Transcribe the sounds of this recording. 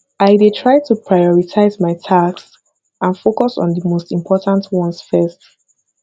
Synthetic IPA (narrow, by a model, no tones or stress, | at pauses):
aɪdetʰɹaɪtʰupʰɹajɔɹitʰaɪzmaɪtʰaks | ʔãnfokɔsɔ̰̃ndəmostĩmpʰɔtãntʰwɔ̃nsfɛst